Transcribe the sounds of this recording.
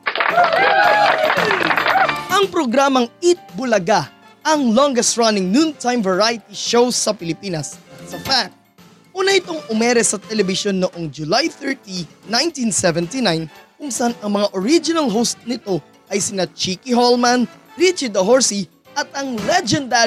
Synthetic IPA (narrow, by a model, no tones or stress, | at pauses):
ʔɐŋpɾoɡɾaːmɐŋɪt̪̚bʊlɐɡa | ɐŋlɔŋɡɛst̪̚ɹɐnɪŋnunt̪ajmvɐɹajɪt̪iʃowsːɐpɪlɪpiːnɐsːɐfa | ʔuːnɐʔɪt̪o̞ŋʔʊmɛɾɛsɐt̪ɛlɛbɪʃo̞nːoʔo̞ŋd͡ʒʊlajθɛɹt̪inãjnt̪insɛvɛ̃nt̪inajnkʊŋsɐʔanɐŋmɐŋaʔoɹid͡ʒɪnɐlɦowst̪̚nɪt̪o̞ | ʔɐjsɪnat͡ʃiːkɪɦolmɐnɹit͡ʃɐd̪ɐɦoɹsi | ʔɐt̪̚ɐŋlɛd͡ʒɛnd̪a